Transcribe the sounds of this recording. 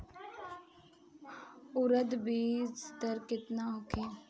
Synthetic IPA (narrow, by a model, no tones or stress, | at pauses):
ʊɾəd̪biːzt̪əɾkɪt̪naʊkʰeː